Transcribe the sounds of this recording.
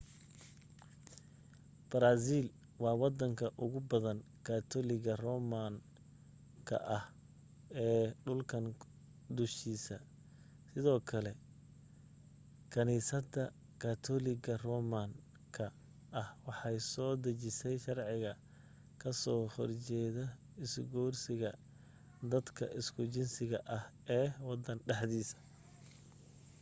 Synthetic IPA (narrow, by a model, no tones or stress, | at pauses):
b̥ɐɾaːs̬iːl | wɑːwɑd̪ɐŋkʰɐʔʊɣʊbɐðɐn | kʰaːt̪ʰɔːlɪɣɐrɔːmaŋ | kʰɐ̰ʔɐh | ɛːɖʊlkʰɐn | d̪ʊʃiːsɐ | sɪðɔːkʰɐlɛ | kʰɐniːsɐd̪ɐ | kʰaːt̪ʰɔlɪɡɐrɔːman | kʰɐ | ʔɐhwɑħɑjsɔːd̪ɐt͡ʃɪsɛjʃɑrʕɪɣɐ | kʰɐsɔːhɔrt͡ʃɛːðɐ | ɪsɡɔːrsɪɣɐ | d̪ɐd̪kʰɐ̰ʔɪskʰʊt͡ʃɪnsɪɣɐʔɐh | ɛːwɑd̪ɐnɖɑħd̪iːsɐ̥